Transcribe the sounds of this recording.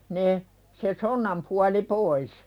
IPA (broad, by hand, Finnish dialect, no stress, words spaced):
ne se sonːɑm puɑli pois